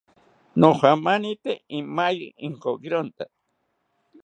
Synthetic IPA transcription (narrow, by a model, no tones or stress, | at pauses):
noχamanit̪eimajiŋkoɡɾont̪a